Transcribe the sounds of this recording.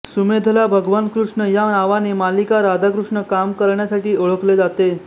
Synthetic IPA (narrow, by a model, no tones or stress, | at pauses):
sumed̪ʱəlabʱəɡʋankɾuʂɳəjanaʋanemalikaɾad̪akɾuʂɳəkamkəɾɳjasaʈiːəɭəkled͡zat̪e